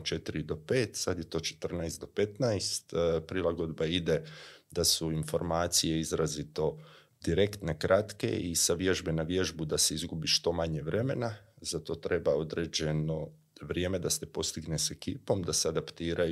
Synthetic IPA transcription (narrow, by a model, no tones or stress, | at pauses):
t͡ʃe̞t̪iɾid̪o̞pe̞ːt̪sad̪je̞t̪o̞ːt͡ʃe̥t̪r̩najst̪d̪o̞pe̞t̪najst̪pɾilaɡo̞d̪baid̪e̞d̪asuinfo̞ɾmaːt̪sije̞izɾazit̪o̞ | d̪̥iɾe̞kt̪ne̞kɾʔat̪ke̞̰isaʋje̞ʒbenaʋje̞ʒbud̪ase̞izɡubiʃt̪o̞maɲe̞ʋɾe̞me̞nazat̪o̞t̪ɾe̞bao̞d̪ɾed͡ʑe̞no̞ | ʋɾje̞ːme̞d̪ase̞po̞st̪iɡnese̞kiːpo̞md̪asead̪apt̪iːɾʔaj